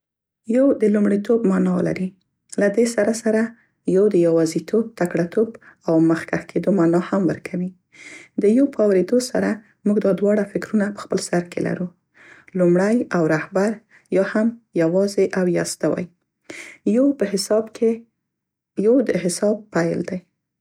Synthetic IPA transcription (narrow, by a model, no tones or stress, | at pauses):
jawd̪əlumɽit̪obmɑnɑla̰ɾi | lad̪esaɾasaɾa | jɑwd̪əjɑwɑzit̪ʰob̚t̪akɽat̪obawməxkaxkʰed̪omɑnɑhamwə̰ɾkʰawi | d̪əjopəawɾed̪osa̰ɾa | muɡd̪ɑd̪wɑɽafɪkɾunapə̥xpəlsaɾkʰḛla̰ɾu | lumɽajawɾahbaɾ | jɑhamjawɑzeʔawjɑ̰st̪awa̰j | əbe | jowd̪əɦɪsɑb̚pajld̪aj